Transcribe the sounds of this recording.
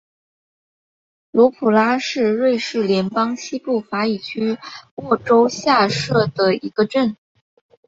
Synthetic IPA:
lwɔ˧˥pʰu˨˩la˥ʂɻ̩˥˧ɻwe˥˧ɪʂɻ̩˥˩ljɛ˧˥npɑ˥ŋɕi˥pu˥˩fa˧˥i˨˩t͡ɕʰy˥wɔ˥˩ʈ͡ʂo˥ʊɕja˥˧ʂɤ˥˩d̪ə˩i˧˥ɡ̥ə˧ʈ͡ʂə˥˩n

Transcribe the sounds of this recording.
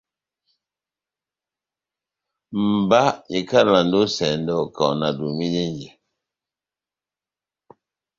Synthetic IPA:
m̩˨ba˦ji˨ka˦˨la˨ndo˦sɛ˨n˦dɔ˦˨kɔ˨na˨du˨mi˦ne˦n˦d͡ʒe˨

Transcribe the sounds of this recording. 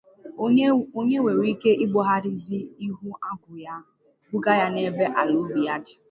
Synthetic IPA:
o˦ɲe˦we˨ɾi˦ke˦ʔi˦ɡ͡bɔ˦ɦa˦ɾɪ˦zi˦i˦ɦʊ˦ʔa˦ɡʷʊ˨ja˦ | ɡʊ˦ɡa˦ja˦ne˦be˦ʔa˨lʊ˦bi˨ja˦dɪ˨

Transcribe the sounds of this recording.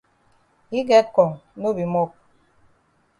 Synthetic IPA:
i˦ɡɛ˦kɔ˨ŋno˦bi˨mɔ˦k̚

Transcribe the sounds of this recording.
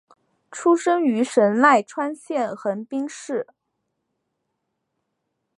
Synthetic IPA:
ʈ͡ʂʰu˥ʂɤ˥ŋy˧˥ʂə˧˥nla˥˩ɪʈ͡ʂʰwa˥nɕjɛ˥˩nxə˧˥npi˥ŋʂɻ̩˥˩

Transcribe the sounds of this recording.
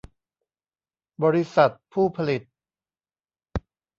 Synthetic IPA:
bɔː˧ɾi˦˥sa˨˩t̪̚pʰuː˥˩pʰa˧li˨˩t̪̚

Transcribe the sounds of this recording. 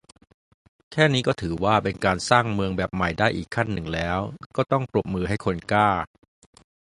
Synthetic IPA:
kʰɛː˥˩niː˦˥kɔː˥˩t̪ʰɯː˩˦waː˥˩pe˧nkaː˧nsaː˥˩ŋmɯ˧əŋbɛː˨˩p̚ma˨˩jdaː˥˩jʔiː˨˩kʰːa˥˩nːɯ˨˩ŋlɛː˦˥wkɔː˥˩t̪ɔ˥˩ŋpɾu˨˩p̚mɯː˧ɦa˥˩jkʰo˧nkaː˥˩

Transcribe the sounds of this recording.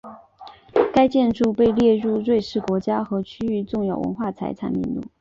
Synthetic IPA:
ka˥ɪt͡ɕjɛ˥˧nʈ͡ʂu˥˧pe˥˧ɪljɛ˥˧ɻu˥˧ɻwe˥˧ɪʂɻ̩˥˩kwɔ˧˥t͡ɕja˥xɤ˧˥t͡ɕʰyy˥y˥˧ʈ͡ʂʊ˥˧ŋjɑ˥˩ʊwə̰˧˥nxwa˥˩t͡sʰa˧˥ɪt͡sʰa̰˧˥nmḭ˥˧nlṵ˥˩˦

